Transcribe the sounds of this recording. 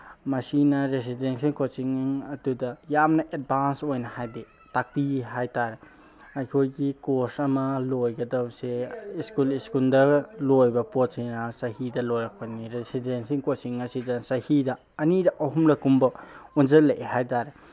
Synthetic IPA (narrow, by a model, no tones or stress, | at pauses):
mɐsinɐɾesidensiŋkʰosiŋŋɐdudɐjamnɐʔed̚bʱansojnɐhajde | tak̚piɦajtaɾe | ɐjkʰojɡikosɐmɐlojɡɐdawseiskuliskuldɐlojbɐpot̚sinɐsɐhidɐlojɾak̚pɐniɾesidensiŋkotsiŋɐsidɐsɐhidɐːniɾɐʔɐɦumɾɐkumbɐunzɐleʔehajtaɾe